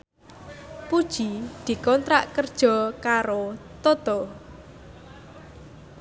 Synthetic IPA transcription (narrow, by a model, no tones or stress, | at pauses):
pud̥ʒ̥id̪̥i̤kɔnt̪ɾaʔkərd̥ʒ̥ɔ̤kaɾot̪ot̪o